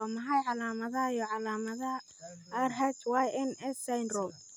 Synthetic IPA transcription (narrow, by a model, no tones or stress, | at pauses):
ɔmɐɦɐjʕɑlaːmɐðɐɦɐijɔʕɑlaːmɐðɐ | ɐrɦɛt̪wɑːjɪnɛsajnrɔm